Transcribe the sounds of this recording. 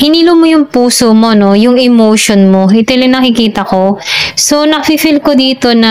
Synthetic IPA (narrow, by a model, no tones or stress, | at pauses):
hɪniːlomojʊŋpuːsomo̞no̞jʊŋɛmowʃonmoɪt̪ɛlɪŋnɐkɪkiːt̪ɐko̞so̞nɐkɐfifɪlko̞d̪iːt̪o̞nɐ